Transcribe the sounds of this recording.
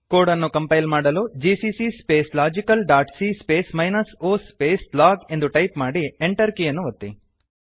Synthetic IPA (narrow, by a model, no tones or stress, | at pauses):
koːɽɐnːukɐmpɐjlmaːɽɐluːd͡ʒisisispeːslaːd͡ʒikɐlɖaːʈsispeːsmɐjnɐsoːspeːslaːɡe̞nd̪uʈɐjpmaːɽieɳʈɐɾkijɐnːuʋɐt̪ːi